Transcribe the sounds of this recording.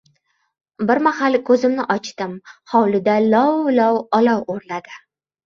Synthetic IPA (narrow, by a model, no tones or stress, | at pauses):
bɪɾmahalɪkʰɵzɪmnɪʔɒt͡ʃt̪ɪmhɒwlɪd̪alɒwlɒwɒlɒwoɾlad̪ɪ